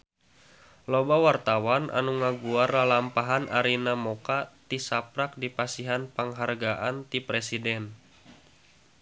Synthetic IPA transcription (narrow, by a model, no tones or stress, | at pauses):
lobawart̪awanʔa̰nuŋaɡuarlalampaɦanʔaɾinamokat̪isap̚ɾak̚dipasiɦanpəŋɦarɡaʔant̪ipɾɛsidɛn